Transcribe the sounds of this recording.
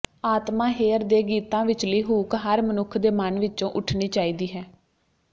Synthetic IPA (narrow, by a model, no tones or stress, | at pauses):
aːt̪mãːɦeːəɾd̪eːɡiːt̪ãːʋɪt͡ʃləiːɦuːkɦəɾmənʊkʰd̪eːmənʋɪt͡ʃõːʔʊʈʰniːt͡ʃaːiːd̪iːɦɛː